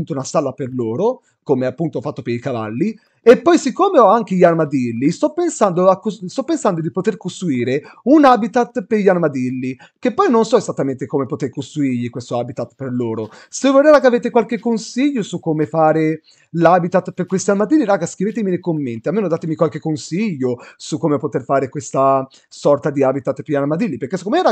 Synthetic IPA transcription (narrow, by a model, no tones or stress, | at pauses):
punt̪ounasalːaperloːɾo | komeapːunt̪oɔfat̪ːopeɾikava̰lːi | epːɔjsikːomeɔaŋk̟eʎiarmad̪ilːist̪ɔpːensand̪oakːost̪ɔpːensand̪od̪ipot̪erkost̪ɾuiːɾeunaːbit̪at̪ːpeʎːalmad̪ilːi | kepːɔjnonsɔezat̪ːament̪ekomepot̪eɾkost̪ɾuiɾʎikwest̪oaːbit̪at̪ːperloːɾosevoleːvakeaveːt̪̬ekwalk̟ekːonsiʎːosukːomefaːɾe | labit̪at̪ːperkwest̪janmad̪ilːiɾaːɡaskɾiveːt̪̬emilekomːent̪ialmeːnod̪aːt̪emikwalk̟ekːonsiʎːosukːomepot̪erfaːɾekwest̪a | sɔrt̪ad̪iaːbit̪at̪ːpeanamad̪ilːipeɾrkːesekːomeɛɾa